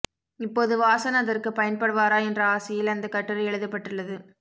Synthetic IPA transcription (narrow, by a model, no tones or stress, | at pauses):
ɪpːoːðɯʋaːsɐnɐɐðɐrkɯpɐjɐnpɐɽɯʋaːɾaːɛndrɐaːsɐjɪlɐnd̪ɐkɐʈːɯɾɯɛɭɯðɐpːɐʈːɯɭːɐðɯ